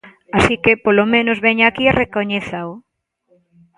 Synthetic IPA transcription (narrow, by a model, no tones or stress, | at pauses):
asikepolomẽnozβɛɲakiarekoɲeθao